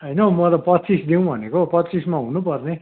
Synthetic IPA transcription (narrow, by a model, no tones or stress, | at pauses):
ɦʌjnʌmʌt̪ʌpʌtːt͡sisd̪iw̃bʱʌnekopʌtːt͡sismaɦunupʌrne